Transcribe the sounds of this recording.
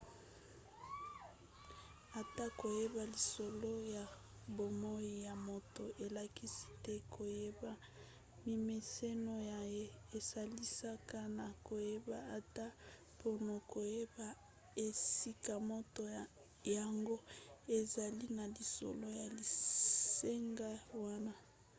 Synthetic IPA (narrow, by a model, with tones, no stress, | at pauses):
a˨ta˦ko˨je˦ba˨li˨so˨lo˦ja˨ | bo˨mo˦i˦ja˨mo˦to˨ʔe˨la˨ki˦si̥˦tɛ˦kʰo˨je˦ba˨ | mi˨me˨se˦no˨ja˨je˦e˨sa˨li˦sa˦ka˦na˨ko˨je˦ba˦a˨ta˦ | po˦no˨ko˨je˦ba˦ | e˨si˦ka˨mo˦to˨ | ja˨ŋɡo˦e˨za˨li˦na˨li˨so̰˨lo˦ja˨li˨se˦ŋɡa˦wa˦na˦